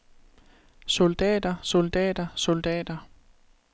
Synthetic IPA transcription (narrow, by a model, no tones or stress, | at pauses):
sold̥ɛ̰ːd̥ɐsold̥ɛ̰ːd̥ɐsold̥ɛ̰ːd̥ɐ